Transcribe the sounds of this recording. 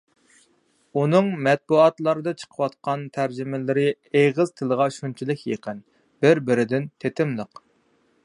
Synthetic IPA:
unɨŋmɛt̪̚buɑt̪lˠɑɾɨd̪ɑt͡ʃʰə̥qʰəwɑt̪̚qʰɑnt̪ʰæɾd͡ʒɪmɪlɪɾɪ | eʁəz̥t̪ʰɨlˠəʁɑʃunt͡ʃʰilˠɨkʲjeqən | b̥ɪɾbɪɾɪd̪ɪnt̪ʰet̪ʰɪmlˠəq

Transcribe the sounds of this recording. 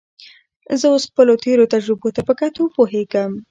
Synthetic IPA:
zəwosxpəlot̪eɾot̪ad͡ʒɾɪbot̪apəkat̪opoɦeɡəm

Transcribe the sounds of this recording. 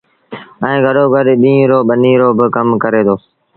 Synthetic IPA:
ɛ̃ːɡʱəɗoːɡʱəɗɗĩːɾoːɓəniːɾoːbɪkəmkəɾeːd̪oː

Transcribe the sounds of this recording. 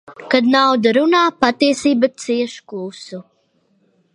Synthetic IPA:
kad̪nawd̪aɾunaːpat̪iɛsiːbat̪siɛʃkuːsu

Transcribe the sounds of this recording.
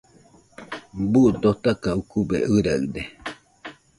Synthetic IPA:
buʔd̪ot̪akaukubḛʔɨɾaɨd̪e

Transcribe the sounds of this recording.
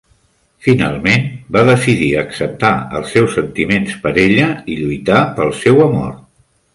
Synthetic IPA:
fina̰lˠmenbaðəsiðiəksəp̚t̪aə̰lˠsːɛwsənt̪imenspəɾeʎəiʎujt̪apəlˠsɛwəmo̰r

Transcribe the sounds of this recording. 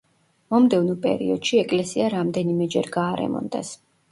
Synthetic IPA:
mɔmd̪ɛvnɔpʼɛ̰ɾḭɔd̪̥ʃiɛkʼlɛsiaɾamd̪ɛnimɛd͡ʒɛɾɡaːɾɛ̰mɔ̰nd̪ɛ̰s

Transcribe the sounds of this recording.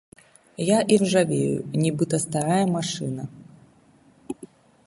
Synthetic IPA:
jaʔiwʐavʲejṵnʲibɨt̪ɐst̪aɾajɐmaʂɨ̰nɐ

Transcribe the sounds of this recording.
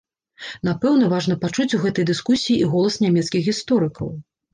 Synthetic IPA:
n̪apɛwnɐvaʐnɐpat͡ʂut͡sʲuɣɛt̪ɐjd̪ɨskusʲijiʔiɣɔlˠɐsnʲamʲɛt̪skʲixɣʲist̪ɔɾɨkɐ̰w

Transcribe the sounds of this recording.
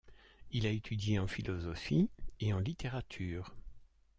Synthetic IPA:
ilaet̪ʰyd̪jeɑ̃filɔzɔfieɑ̃lit̪eʁat̪ʰyːʁ

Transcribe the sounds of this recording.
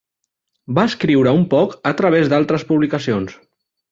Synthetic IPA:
baəskɾiwɾəumpɔkət̪ɾəβ̞ezd̪alˠt̪ɾəspuβlikəsions

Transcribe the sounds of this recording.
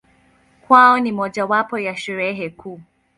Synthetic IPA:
kwaɔnimɔʄawapɔjaʃɛɾɛɦɛkʰuː

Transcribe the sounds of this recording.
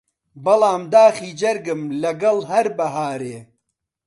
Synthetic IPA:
bɐlaːmd̪aːxiːd͡ʒɐɾɡɨmlɐɡɐlɦɐɾbɐɦaːɾeː

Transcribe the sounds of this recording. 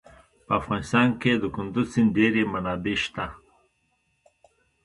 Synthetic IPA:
pəafɣɑnɪst̪ɑnked̪əkʊnd̪uzsinɖeɾemanɑbeʃt̪a

